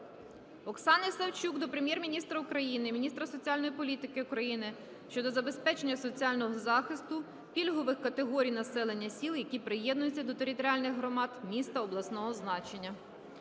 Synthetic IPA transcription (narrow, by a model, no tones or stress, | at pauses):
ɔksɑnɐjsɐwt͡ʃukd̪ɔpɾemʲjɛrmʲinʲist̪ɾɐukɾɐjinɪmʲinʲist̪ɾɐsɔt͡sʲialʲnɔjipɔlʲit̪ɪkɪʊkɾɐjinɪ | ʃt͡ʃɔd̪ɔzɐbe̞spɛt͡ʃenʲːɐsɔt͡sʲiɑlʲnɔɦɔzɑxɪst̪ʊ | pʲilʲɦɔʋɪxkɐt̪eɦɔɾʲijnɐsɛlˠe̞nʲːɐsʲilˠjɐkʲipɾɪjɛd̪nʊjʊt͡sʲːɐd̪ɔt̪eɾʲɪt̪ɔɾʲiɑlʲnɪɣɦɾɔmɑd̪mʲist̪ɐɔblˠɐsnɔɦɔznɑt͡ʃenʲːɐ